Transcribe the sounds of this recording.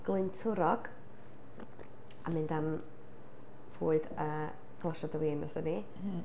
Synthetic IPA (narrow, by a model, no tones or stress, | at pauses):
ɡ̥lˠɨntʰʊɾɔɡ̥ | amɨndam | voːɨdəː | ɡ̥lˠaʃadəwiːnasəni